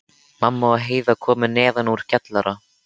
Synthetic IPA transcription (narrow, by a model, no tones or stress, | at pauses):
mamːaaɦeːjðakʰɔːmʏnɛːðanuɾ̥cɛt̪laɾa